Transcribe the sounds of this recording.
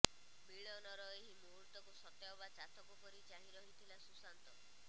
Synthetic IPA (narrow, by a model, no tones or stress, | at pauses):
biɭɔnɔɾɔeɦimoɦuɾt̪ɔkusɔt̪jaɔbat͡ʃat̪ʰɔkukɔɾit͡ʃaɦiɾɔɦit̪ʰilasusant̪ɔ